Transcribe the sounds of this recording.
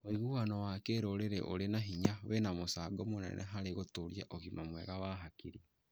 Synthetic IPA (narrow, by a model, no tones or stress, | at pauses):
oiɣuwanɔwaːkeːɾoːɾeɾɛ̰ʔo̰ɾenaɦiɲawenamosaːɡɔmonɛ̰nʔɛ̰ɦaɾeɣotoɾija̰ʔoɣinɔmwɛɣawaɦakiɾia